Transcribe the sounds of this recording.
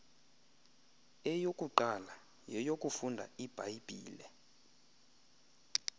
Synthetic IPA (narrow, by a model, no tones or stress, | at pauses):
ɛjokʼuǃala | jɛjokʼufundʱa̰ib̥ʱaib̥ʱḭːlɛ